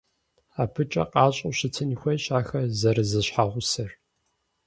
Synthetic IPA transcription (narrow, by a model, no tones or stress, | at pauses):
aːpʰɨt͡ʃʼɐ̰qɑːɕʼɐwɕɪtʰɐnixʷɐjɕʼaːxɐzɐɾɨzɨɕħaːʁʷʊsɐr